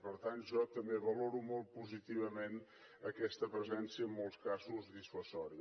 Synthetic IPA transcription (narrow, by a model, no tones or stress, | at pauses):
pəɾt̪anʒɔt̪əmbeβəloɾumɔlˠt̪̚puzit̪iβ̞əmen | əkɛst̪əpɾəzɛnsiəːmːɔlˠskazuzðisfəsɔɾi